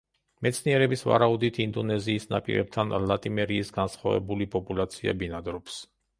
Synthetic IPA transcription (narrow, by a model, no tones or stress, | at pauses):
mɛt̪sʰniɛɾɛbisva̰ɾaud̪it̪ʰind̪ɔnɛziːsna̰pʼḭɾɛ̰b̚t̪ʰanlˠat̪ʼimɛɾiːsɡansχwavɛ̰bulipʼɔpʼulat̪sʰia̰binad̪ɾɔps